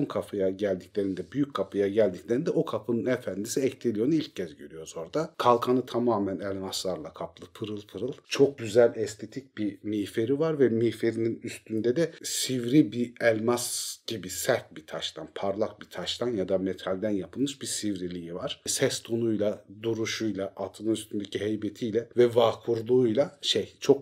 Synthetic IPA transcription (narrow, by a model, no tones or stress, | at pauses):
mkʰapʰɯjaɟælʲd̪icʲlʲe̞ɾind̪ɛbyjyckʰːapʰɯjaɟælʲd̪iclʲeɾind̪ɛokʰapʰɯnɯnɛfænd̪isiɛct̪ʰelʲijo̞nuilʲccʰːɛzɟøɾyjo̞zo̞ɾd̪akʰalˠkʰanɯt̪ʰamaːmænɛlʲmaslˠaɾlˠakʰaplˠɯpʰɯɾɯlˠpʰɯɾɯlˠt͡ʃʰo̞k̚ɟyzælʲɛst̪ʰe̞t̪ʰic̚bimijfe̞ɾivaɾvɛmijfe̞ɾininyst̪ʰynd̪ɛd̪ɛsivɾibiɛlʲmasɟ̥ibisæɾt̪̚bit̪ʰaʃt̪ʰanpʰaɾlˠak̚bit̪ʰaʃt̪ʰanjad̪amet̪ʰalʲd̪ænjapʰɯlˠmɯʃbisivɾilʲijivaɾ̥sɛst̪ʰonujlˠad̪uɾuʃujlˠaʔat̪ʰɯlˠɯnyst̪ʰynd̪ecʰiɦejbet̪ʰijlʲɛvɛvaːkʰuɾlˠuujlˠaʃejt͡ʃʰo̞k̚